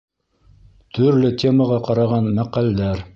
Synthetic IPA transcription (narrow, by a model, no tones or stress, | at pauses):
t̪ʰɵ̆ɾlɘt̪ʲʰe̞məʁɑqɑɾɑʁɑnmæqæld̪æɾ